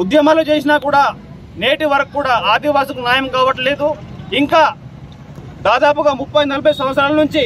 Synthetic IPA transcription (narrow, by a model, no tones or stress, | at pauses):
ud̪jɐmaːlut͡ʃe̞ːsinaːkuːɽaː | neːʈiʋɐɾɐkːuːɽaːaːd̪iʋaːsɐkunjaːjɐmkaːʋɐʈɐleːd̪uiŋkaː | d̪aːd̪aːpuɡaːmupːɐjnɐlɐbʱɐjɐsɐ̃mɐt̪sɐɾaːlɐnuɲt͡ʃi